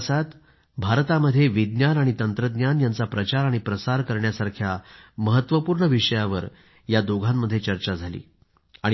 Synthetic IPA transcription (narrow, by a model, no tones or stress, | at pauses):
sat̪ | bʱaɾt̪aməd̪ʱːjeʋid̪njanaɽ̃it̪ənt̪ɾəd̪njanjant͡sapɾət͡ɕaɾaɽ̃ipɾəsaɾkəɾɳjasaɾkʰjaməɦət̪ːʋəpuːɾɳəʋiʂəjaʋə̰ɾ | jad̪oɡʱammːəd̪ʱːjet͡ɕəɾt͡ɕad͡zʱalḭː | aɽ̃